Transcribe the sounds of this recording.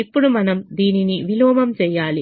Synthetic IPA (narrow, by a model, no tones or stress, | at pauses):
ipːɔɽumɐnɐmd̪iːniniʋiloːmɐmt͡ʃɛjːaːli